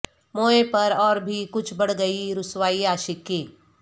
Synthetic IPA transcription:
moːepɐɾɔːɾbʱikʊt͡ʃʰbɐɽ̤ɡɐiɾʊswaːiaːʃɪkːiː

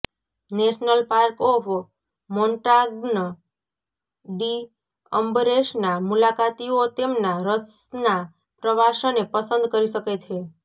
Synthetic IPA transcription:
neʃnəlpaɾkɔfʰ | moɳʈaɡn | ɖi | əmbɾeʃnamulakat̪iot̪emnaɾəsna | pɾəʋaʃonepəsə̃nd̪kəɾiʃəket͡ʃʰe

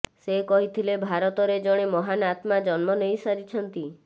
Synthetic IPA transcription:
sekɔɦit̪ʰilebʱaɾɔt̪ɔɾed͡ʒɔɽ̃emɔɦanat̪mad͡ʒɔnmɔnejsaɾit͡ʃʰɔnt̪i

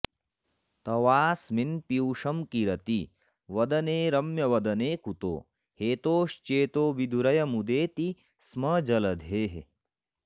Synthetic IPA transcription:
t̪ɐʋaːsminpiwʂɐmkiɾɐt̪i | ʋɐd̪ɐneːɾɐmjɐʋɐd̪ɐneːkut̪o̰ː | heːt̪oːʃt͡ʃeːt̪oːʋid̪ʱuɾɐjɐmud̪eːt̪i | smɐd͡ʒɐlɐd̪ʱeːɦe

